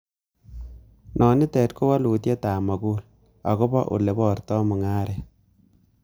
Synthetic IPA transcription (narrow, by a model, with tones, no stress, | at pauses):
nʔɔː˨ni˦tɛː˨tku˦wa˦lu˨t̬je˦taː˨ma˨ku˦l | a̰˨ko˦ba˦ʔṵ˨le˨bɔ˨rtɔ˦mu˨ŋaː˦ɾɛ˨